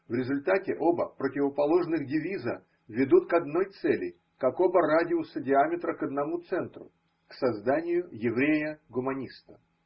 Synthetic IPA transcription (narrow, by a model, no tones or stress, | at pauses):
vɾʲɪzʊlʲt̪atʲɪʔo̞bəpɾətʲɪvəpɐlˠo̞ʐnɨɣdʲɪvʲizə̰ | vʲɪd̪ut̪kɐd̪no̞jt̪sɛlʲɪ̰ | kakobəradʲɪʊsədʲɪamʲɪt̪ɾəkəd̪nɐmut̪sɛnt̪rʊ̰ | ksɐzd̪anʲɪjʊjɪvɾʲejəɡʊmɐnʲist̪ə̥